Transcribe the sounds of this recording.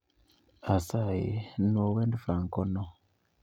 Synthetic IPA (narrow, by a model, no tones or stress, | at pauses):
asajḭnowɛndfaŋkɔnɔ